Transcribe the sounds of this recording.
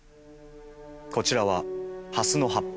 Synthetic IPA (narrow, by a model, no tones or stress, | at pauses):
ko̞t͡ɕiɾaβahasɨno̞ɦapː